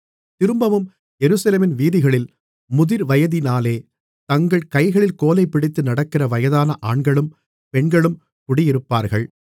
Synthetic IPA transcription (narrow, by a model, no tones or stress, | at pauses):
t̪ɪɾɯmbɐʋɯm | ɛɾɯsɐleːmɪnʋiːðɪɣɐɭɪl | mʊðɪɾʋɐjɐðɪnaːleː | t̪ɐŋɡɐɭkɐɪɣɐɭɪlkoːlɐɪpːɪɽɪt̪ːɯnɐɽɐkːɪrɐʋɐjɐðaːnɐʔaːɳɡɐɭɯm | pɛɳɡɐɭɯm | kʊɽɪjɪɾɯpːaːɾɣɐɭ